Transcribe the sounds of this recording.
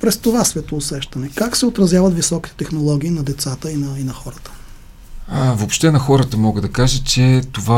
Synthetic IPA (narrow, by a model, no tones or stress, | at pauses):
pɾɛst̪ovasvɛt̪ːsɛʃt̪ɐnɛkaksɛot̪ɾɐzjavɐt̪visɔki̥t̪ɛ̥t̪ɛxnolˠɔɡ̟ʲiːnɐd̪ɛt̪sat̪əinɐinɐxɔɾət̪ə̥ | vopʃt̪ɛnɐxɔɾət̪əmɔɡəd̪ɐkaʒət͡ʃɛt̪ova